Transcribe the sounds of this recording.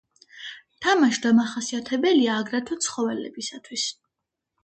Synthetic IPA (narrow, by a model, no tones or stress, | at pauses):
t̪ʰamaʃd̪amaχasiat̪ʰɛbɛliaːɡɾat̪ʰɔt̪sʰχɔvɛlɛ̰bisat̪ʰwis